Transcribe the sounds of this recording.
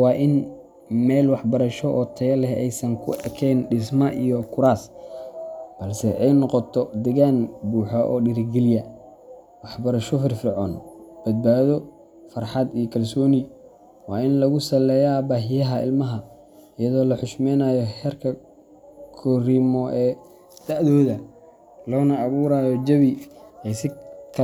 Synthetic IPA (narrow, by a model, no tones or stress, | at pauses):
wɑːʔɪn | mɛːlwɑħbɐɾɐʃɔʔɔːt̪ʰɐjɐlɛɦɛjsɐŋkʰʊ̰ɐkʰɛjnɖɪsmɐʔijɔkʰʊɾaːs | b̥ɐlsɛʔɛjnɔqɔt̪ʰɔd̪ɛɣaːnbuːħɔʔɔ̰ːɖɪɾɪɡɛlɪjɐ | wɑħbɐɾɐʃɔfɪrfɪrʕɔːnb̥ɐd̪̚baːðɔ | fɑrħɑd̪ijɔkʰɐlsɔːnɪ | wɑːɪnlɐɣʊsɐlɛːjabaːɦɪjɐɦɐɪ̰lmɐɦɐ | ɪjɐðɔːlɐħʊʃmɛːnaːjɔhɛːrkʰɐ | kʰɔrimɔʔɛː | d̪̥aʕðɔːðɐ | lɔːnɐːβuːɾaːjɔd͡ʒɐβiɛjsɪkʰ